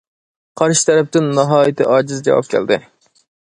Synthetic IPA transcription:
qʰɑɾʃɪ̥t̪ʰɛɾɛp̚t̪ɪnːɑɦɑːjɪt̪ɨ̰ʔɑːd͡ʒɨzd͡ʒɑ̰wɑ̰p̚kʲʰɛ̰ld̪ɪ̰

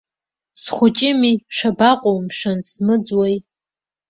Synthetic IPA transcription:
sχʷʊt͡ʃʼɪmiʃabaqʷʼowmʃʷᶣansmɨd͡zwaj

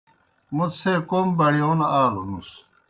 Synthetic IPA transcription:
musekoːmbɐɽioːnaːlunus

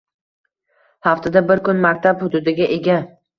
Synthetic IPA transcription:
haft̪ad̪abɪɾkʰʊnmakʲt̪ʰaphʊd̪ud̪ɪɡʲaʔe̞ɡʲa

